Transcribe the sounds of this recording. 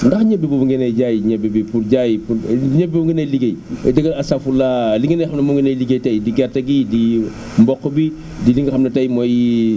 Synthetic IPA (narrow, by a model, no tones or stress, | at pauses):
ndɐxɲɛbibubuŋɡɛnɐjɟaːjiɲɛbibipurɟajpuɲɛbibuŋɡənɐjliɡɐjdɐɡɐlɐsɐfulaliŋɡənɐjxɐmnɐmɔŋɡinɐjliɡɐjtɐjdiɡɛrtɐɡidi | mbɔkːəbi | diliŋɡɐxɐmnɐtɐjmɔj